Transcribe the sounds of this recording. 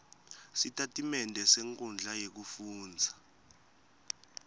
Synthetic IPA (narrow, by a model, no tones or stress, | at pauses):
sitʼatʼimɛntʼɛsɛŋkʼɔnd͡ɮʱajek̬ufuːnd͡zʱa